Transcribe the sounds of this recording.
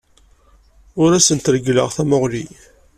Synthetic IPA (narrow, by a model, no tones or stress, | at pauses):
ʊɾæsənt̪əɾəɡləʁθæmoʁli